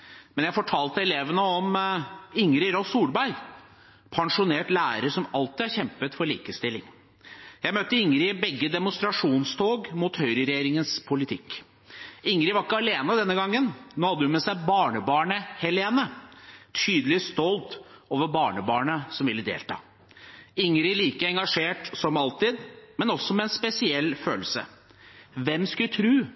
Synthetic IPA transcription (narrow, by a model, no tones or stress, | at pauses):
mɛnjæɪfɔʈʰɑːlt̪əɛleːʋənəɔm | ɪŋɾɪɾɔsuːlbæɪ | pʰɑŋʂʊneːʈlæːɾəʂɔmɑlt̪ɪɑçɛmpət̪fɔɭiːkəst̪ɪlːɪŋ | jæɪmøt̪ːəɪŋɾɪbɛɡːəd̪ɛmʊnst̪ɾɑʂuːnst̪ʰoːɡmuːt̪hœʏɾəɾɛjeːɾɪŋənspʰʊlɪt̪ʰɪk | ɪŋɾɪʋɑɾɪkːəɑleːnəd̪ɛnːəɡɑŋːənnoːhɑd̪ːəʉnmɛsæɪbɑːɳəbɑːɳəhɛleːnət̪ʰyːd̪əlɪst̪ɔlt̪oːʋəbɑːɳəbɑːɳəsɔmʋɪlːəd̪ḛːlt̪ʰɑ̰ː | ɪŋɾɪliːkəɛŋɡɑʂeːʈsɔmɑlt̪ɪd̪mɛnɔsːɔmɛɛːnspɛsɪɛlːføːləsə̰ | ʋɛmskʉd̪t̪ʰɾʉː